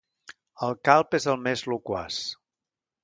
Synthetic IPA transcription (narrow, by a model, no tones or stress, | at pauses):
əlˠkalˠpezəlˠmezlukwa̰s